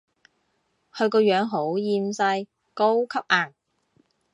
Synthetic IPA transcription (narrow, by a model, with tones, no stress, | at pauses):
hɵ˧ɥkɔː˧jœː˨˥ŋɦo˨˥wjiː˧msɐ˧j | ko˥wkʰɐ˥p̚ʔaː˨˩ŋ